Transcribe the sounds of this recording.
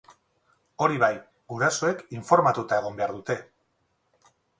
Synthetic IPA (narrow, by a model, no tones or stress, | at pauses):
o̞ɾiβaj | ɡuɾasoe̞kiɱfo̞ɾmat̪ut̪ae̞ɣ̞o̞mbeaɾðut̪e̞